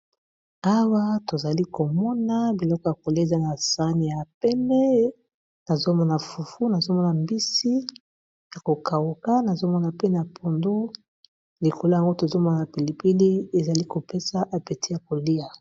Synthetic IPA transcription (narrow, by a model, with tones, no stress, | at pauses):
a˦wa˦to˨za˨li˦ko˨mɔ˦na˦bi˨lɔ˦kɔ˨ja˨ko˨le˨za˦na˨sa˦ni˨ja˨pɛ˦mɛ˦ | na˨zo˦mɔ˦na˨fu˨fu˦na˨zo˦mɔ˦na˨mbi˦si˦ | ja˨ko˨ka˨wu˨ka˦na˨zo˦mɔ˦na˨pe˦na˨pʰo˨ndu˦ | li˨ko˨lo˦ja˨ŋɡo˦to˨zo˦mɔ˦na˨na˨pe˨li˨pi˦li˦e˨za˨li˦ko˨pe˦sa˦ʔa˨pe˨ti˦ja˨k̚o˨li˦a˨